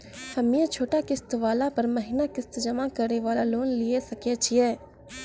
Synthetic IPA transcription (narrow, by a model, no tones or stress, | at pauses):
fʰɐmijet͡ʃʰoːʈakɪst̪ʋaːlapɐɾmɐɦɪnakɪst̪d͡ʒɐmakɐɾneʋaːlaloːnliesɐkjet͡ʃʰiɛː